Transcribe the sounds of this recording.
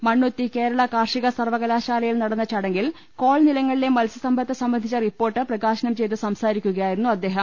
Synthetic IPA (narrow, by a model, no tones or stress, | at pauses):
mɐɳːut̪ːike̞ːɾɐɭɐkaːrʂiɣɐsɐrʋɐɣɐlaːɕaːlɐjilnɐɽɐnːɐt͡ɕɐɽɐŋɡil | ko̞ːɭnilɐŋːɐɭile̞mɐlsɐsɐmbɐt̪ːɐsɐmbɐnd̪ʱit͡ɕːɐripːo̞ːrʈːɨprɐɣaːɕɐnɐmt͡ɕe̞jt̪ːɨsɐmsaːɾikʲːuɣɐjaːjiɾunːuɐd̪ːe̞ːɦɐm